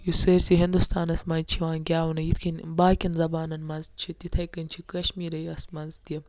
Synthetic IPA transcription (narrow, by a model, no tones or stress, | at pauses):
juseɾsiɦind̪ust̪aːnɐsmaːnt͡ʃʰiwaːnɡʲaːwunɐjit̪ʰkʰinbaːkʲinzɐbaːnɐnmɐnzt͡ʃʰit̪it̪ʰɐjkɐnt͡ʃʰikɐʃmiːɾɐjɐsmɐnzt̪jɐ